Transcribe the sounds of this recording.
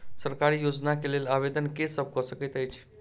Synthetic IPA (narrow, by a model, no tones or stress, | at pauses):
səɾkaɾijod͡ʒnakelelaβed̪ənkesəb̚ʱkɔsəkɛt̪əjt͡ʃʰ